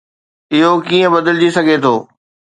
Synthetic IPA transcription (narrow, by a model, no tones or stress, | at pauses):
ɪɦokiːə̃bɐd̪əld͡ʑisɐɡʱet̪ʰoː